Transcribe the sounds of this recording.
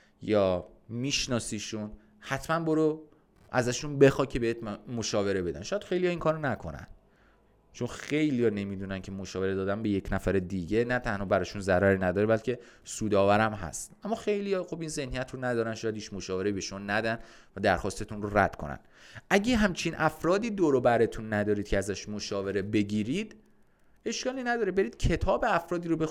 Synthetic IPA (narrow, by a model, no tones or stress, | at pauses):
jɒː | miːʃnɒːsiːʃun | hæt̪ʰmænboɾo | ʔæ̰zæʃunbe̞xɒːcʰe̞beet̪ʰmmoʃɒːve̞ɾe̞be̞d̪æ̰nʃɔːjæd̪̥xe̞jlijɒiŋkʰɒːɾonækʰonæ̰nd̪ | t͡ʃʰo̞nxe̞jlijɒne̞miːd̪unæncʲʰe̞moʃɒːve̞ɾed̪ɒːd̪ænbe̞jecʰnæfæɾed̪iɟenæt̪ʰænhɒːbæɾɒːʃunzæɾɒɾinæd̪ɒːɾebælcʰe̞ | suːd̪ɒːvæɾæmɦæ̰st̪ʔæmːɒːxe̞jlijɒxo̞biːnze̞hnijæt̪ʰronæd̪ɒːɾænʃɒːjæd̪hiːt͡ʃʰmoʃɒːve̞ɾeibeʃomɔnæd̪æn | væd̪æɾxɒːst̪e̞t̪ʰunroɾæ̰d̪̥kʰo̞̰næ̰n | ʔæɟeɦæmt͡ʃʰinʔæfɾɒːd̪iːd̪oɾobæɾet̪ʰunːæd̪ɒːɾid̪̥̚cʰeæzæʃmoʃɒːve̞ɾe̞be̞ɟiːɾid̪ | e̞ʃkɒːliːnæd̪ɒːɾebe̞ɾiːd̪̥̚cʰe̞t̪ʰɒːbe̞æfɾɒːd̪iːɾobe